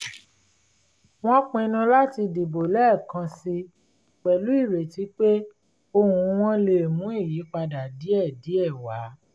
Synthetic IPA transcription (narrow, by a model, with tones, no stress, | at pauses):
w̃ɔ̃˦k͡pi˧nũ˧la˦ti˧di˨bo˨lɛ˦˨kã˧si˧ | k͡pɛ˨lu˨˦i˦˨ɾe˨ti˨˦k͡pe˦ | o˧hũ˧w̃ɔ̃˦le˧˨mũ˨˦i˦˨ji˨˦k͡pa˧da˨di˨˦ɛ˦˨di˨˦ɛ˦˨wa˨˦